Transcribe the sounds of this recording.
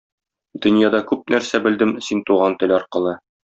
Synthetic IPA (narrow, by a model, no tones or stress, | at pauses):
d̪̥ɵ̆njɑd̪ɑkʉp̚næɾsæbɘ̆ld̪ɘmsint̪uʁɑnt̪ɘ̆lɒɾqɤ̆lˠɤ